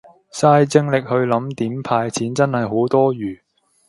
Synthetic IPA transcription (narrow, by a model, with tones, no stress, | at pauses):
saː˧jt͡sɪ˧ŋlɪ˨k̚hɵ˧ɥlɐ˨˥mt̪iː˨˥mpʰaː˧jt͡sʰiː˨˥nt͡sɐ˥nhɐ˨jɦo˨˥wt̪ɔː˥ɥyː˨˩